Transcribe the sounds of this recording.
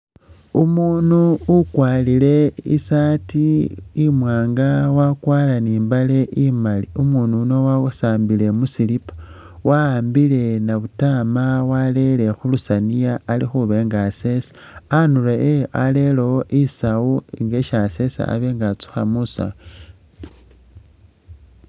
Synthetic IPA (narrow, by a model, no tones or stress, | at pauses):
umuːnuːkwaːlile̞isatiːmwaːŋɡawakwaːlaniːmbale̞ʔimaliumuːnunowasaːmbile̞musilipḁ | waaːmbile̞naβutamawale̞le̞xulusanijaːlixuβe̞ːŋɡase̞sḁ | anuleeale̞looʔisawuiŋɡeʃase̞sa̰a̰βeːŋɡat͡su̥xa̰musa̰